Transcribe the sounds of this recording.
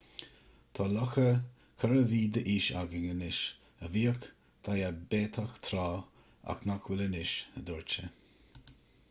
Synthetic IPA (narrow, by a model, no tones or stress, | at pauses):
t̪ʰɑːlɔxə | kʰəɾəviːd̪əʔiːʃaɡəŋənɪʃ | əviːək | t̪ʰajabeːt̪ʰaxt̪ʰɾaː | a̰knakʰwɪlənɪʃəd̪ɔɹt͡ʃə